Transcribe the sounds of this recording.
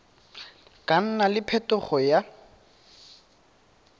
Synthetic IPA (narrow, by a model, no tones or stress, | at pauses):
kʼan̩nalɪpʰɛtʊχɔja